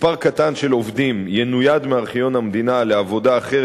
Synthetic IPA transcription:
paʁkat̪anʃe̞lo̞vd̪imjenujad̪meaʁχijo̞nhamd̪inaleavo̞daːχe

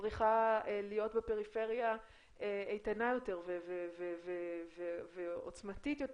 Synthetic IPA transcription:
ʁiχaelijo̞tbepe̞ʁife̞ʁja | eejtanajo̞te̞ʁveveveveveveo̰t͡smatitjot

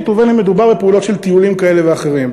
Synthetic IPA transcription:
t̪uvenhemːed̪ubaʁbepeulo̞t̪ʃe̞lt̪iulimkae̞le̞veaχe̞ʁim

